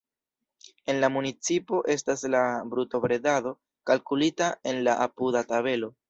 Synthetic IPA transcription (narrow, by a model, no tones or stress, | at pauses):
e̞nlamunit͡sipo̞ʔe̞staslabɾuto̞bɾe̞dado̞ | kalkulitae̞nlaʔapudataβe̞lo̞